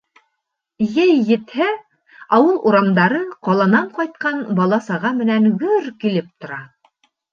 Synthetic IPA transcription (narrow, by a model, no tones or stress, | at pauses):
jɘjːɘ̆t̪hæ | ɑwɤlˠuɾɑmd̪ɑɾɤqɑlˠɑnɑɴqɑjt̪̚qɑnbɑlˠɑsɑʁɑmɘ̆nænɡɵɾkilɘp̚t̪ŏɾɑ